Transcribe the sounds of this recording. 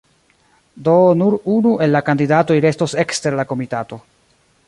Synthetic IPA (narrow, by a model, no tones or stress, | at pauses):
do̞nuɾunuʔe̞lːakandidato̞jɾe̞sto̞se̞kste̞ɾlako̞mitato̞